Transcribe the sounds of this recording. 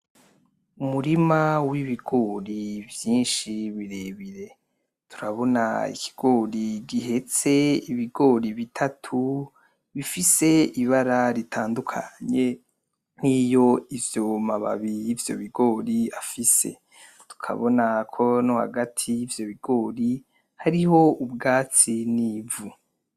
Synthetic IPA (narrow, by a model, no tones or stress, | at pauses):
umuɾimawiβiɡo̞ːɾivjiːnʃiβiɾeβiɾe̞ | tʰu̥ɾaβo̞na̰ḭkʰi̥ɡ̥o̞ːɾiɡiɦe̞t͡se̞iβiɡo̞ːɾiβitʰatʰu | βifise̞iβaɾaɾitʰaːndukʰa̰ɲe̞ | nijo̞ivjomaβa̰βijivjo̞̰βiɡoːɾiafise̞̰ | tu̥kʰa̰βo̞nakʰo̞noha̰ɡatʰijːvjo̞βiɡo̞ːɾi | haɾiho̞ubɡaːt͡siniːvu